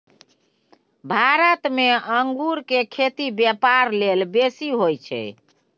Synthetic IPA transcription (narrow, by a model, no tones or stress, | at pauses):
bʱaɾət̪meəŋɡuɾkekʰet̪ibjɛpaɾlelbesiɦojt͡ʃʰɛ̰